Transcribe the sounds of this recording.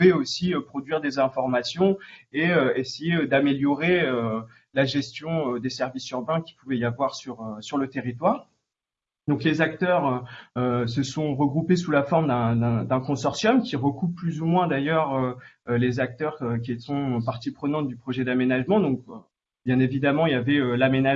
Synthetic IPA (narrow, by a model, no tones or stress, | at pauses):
vɛosiøpχɔd̪ɥiʁd̪ezɛ̃fɔʁmasjɔ̃eøesejed̪ameljɔʁeø | laʒɛst̪jɔ̃ød̪esɛʁvisyʁbɛ̃kʲi̥puvɛijavwaʁsyʁøsyʁlət̪eʁit̪waːʁ | d̪ɔ̃klezak̚t̪œʁøøsəsɔ̃ʁəɡʁupesulafɔʁmd̪ɛ̃d̪ɛ̃d̪ɛ̃kɔ̃sɔʁsjɔmkʲiʁəkupːlyzumwɛ̃d̪ajœʁølezak̚t̪œʁøkʲiesɔ̃øpaʁt̪ipχənɑ̃t̪̚d̪ypχɔʒɛd̪amenaʒmɑ̃d̪ɔ̃k̚ø | b̥jɛ̃nevid̪amɑ̃iljavɛølamena